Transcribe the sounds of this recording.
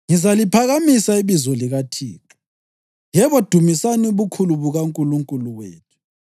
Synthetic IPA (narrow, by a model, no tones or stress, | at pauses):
ŋizalipʰaɣamisaiβizɔliɣatʰḭːǃǁi̥ | jɛβɔd̥ʱumisaniβukʰuluβuɣaŋkʼuluŋkʼuluɣwḛːtʰu̥